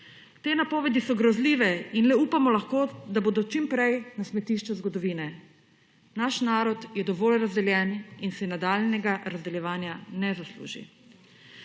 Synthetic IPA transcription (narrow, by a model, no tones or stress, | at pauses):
t̪eːnapɔːʋɛd̪isɔɡɾɔzliːʋɛinlɛupamɔlaxkoːd̪aboːd̪ɔt͡ʃimpɾɛjnasmɛt̪iʃt͡ʃɛzɡɔd̪ɔʋiːnɛ | naʃnaːɾɔt̪jɛd̪ɔʋoːlɾazd̪ɛljɛːninsɛnad̪aːlnɛɡaɾazd̪ɛljɛʋaːnjanɛzaslṵːʒḭ